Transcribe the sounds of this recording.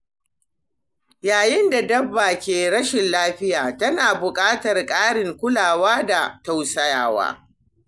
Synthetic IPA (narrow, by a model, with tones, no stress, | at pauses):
jaː˨jɪ˦nda˨dɐ˦bːaː˨kʲeː˨ɽɐ˦ʃɪ˨nlaː˦ɸɪ˦jaː˨tɐ˦naː˨bʊ˨kʼaː˦tɐ˨rkʼaː˦ɽɪ˨ŋkʷʊ˦laː˨waː˦da˨ta˦wsɐ˦jaː˨wa̰ː˦